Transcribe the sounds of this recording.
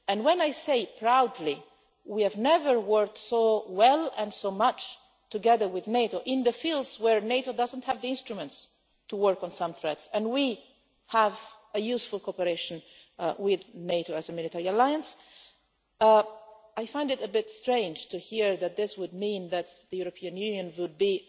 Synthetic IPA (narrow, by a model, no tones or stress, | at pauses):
ɨ̃nwɛ̃najseɪpʰɹaʊdli | wiɨvnɛvə˞wɜ˞k̚tsowɛlˠɛ̃nsoʊmʌt͡ʃ | tuɡɛðə˞wɪðneɪɾoʔɪ̃nðəfilˠdzwəɹneɪɾoʊdʌzə̃nthævðiɪ̃nstɹumə̃nts | tʰuwɜɹkɔ̃n̩sʌ̃mθɹɛtsɛ̃nwi | həv | ɨjʉsfʊlˠkʰopəɹeɪʃɨ̃nwɪðneɪɾoʊæzəmɪlɨtʰɛɹiəlaɪə̃ns | aɪfãɪ̃ndɨɾɨbɪtstɹ̥ẽɪ̃nd͡ʒtʰɨhiɹðɨt̪̚ðɪswʊd̚mĩnðɨt̪ðɨjuɹəpʰiɨ̃njʉnjɨ̃nwʊd̚bi